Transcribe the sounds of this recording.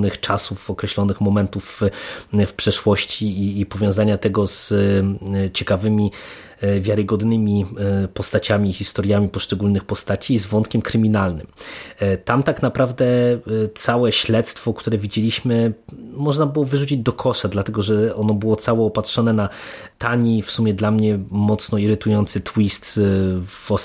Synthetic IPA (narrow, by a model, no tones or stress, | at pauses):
nɘxt͡ʂasufɔkɾɛɕlɔnɘxmɔmɛnt̪uf | fpʂɛʂwɔɕt͡ɕiːpɔvʲjɔ̃w̃zaɲat̪ɛɡɔz̥ | t͡ɕɛkavɘmʲi | vʲjaɾɘɡɔd̪nɘmʲipɔst̪at͡ɕamʲiːxʲist̪ɔɾjamʲipɔʂt͡ʂɛɡulnɘxpɔst̪at͡ɕizvɔnt̪kʲɛmkɾɘmʲinalnɘmt̪amt̪aknapɾavd̪ɛt̪sawɛɕlɛt̪st̪fɔkt̪uɾɛvʲid͡ʑelʲiɕmɘmɔʐnabɘwɔvɘʐut͡ɕid͡ʑd̪ɔkʰɔʂad̪lat̪ɛɡɔʐɛɔnɔbɘwɔt̪sawɔːpatʂɔnɛna | t̪aɲifsumʲjɛd̪lamɲɛmɔt̪snɔiɾɘt̪ujɔnt̪sɘt̪wist̪ | vɔ